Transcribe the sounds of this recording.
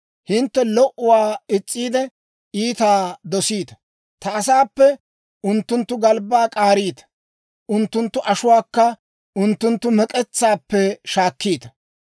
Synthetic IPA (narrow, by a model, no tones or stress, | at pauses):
hɪnt̪ːɛlɔʔʊwaːɪt͡sʼːiːd̪ɛ | iːt̪aːd̪ɔsiːt̪ɐ̥ | t̪ɐːs̬aːpːɛ | ʊnt̪ːʊnt̪ːʊɡɐlbaːkʼaːɾiːt̪ɐ̥ | ʔʊnt̪ːʊnt̪ːʊʔɐʃʊwaːkːɐ | ʊnt̪ːʊnt̪ːʊmɛkʼɛt͡sːaːpːɛʃaːkːiːt̪ɐ̥